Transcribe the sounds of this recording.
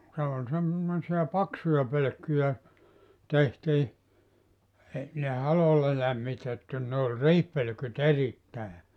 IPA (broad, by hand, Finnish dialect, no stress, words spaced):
se ol sem mosiɑ pɑksujɑ pøløkːyjæ tehtiː ei ne hɑlolːɑ læmːitetːiːn ne olʲ riːhpølø̆kyt eritːæˑe